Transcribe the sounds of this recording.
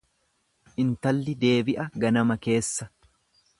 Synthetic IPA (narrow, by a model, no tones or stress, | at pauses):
ʔɪnt̪ɐlːɪd̪e̞ːbɪʔɐɡɐnɐmɐke̞ːsːɐ